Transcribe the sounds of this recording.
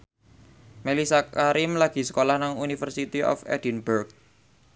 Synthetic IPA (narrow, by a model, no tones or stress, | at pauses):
melisakaɾɪmlaɡ̥i̤sə̥kolahnaŋunifərsit̪iʔɔ̰fɛ̰d̥inburk